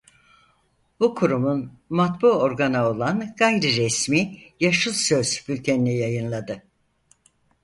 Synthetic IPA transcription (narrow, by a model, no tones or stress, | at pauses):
b̥ukʰuɾumun | mat̪buo̞ɾɡanao̞lˠanɡ̥ajɾɯɾɛsmiːjaʃɯlˠsøz̥b̥ylʲt̪ʰeninʲɛjajɯnlˠad̪ɯ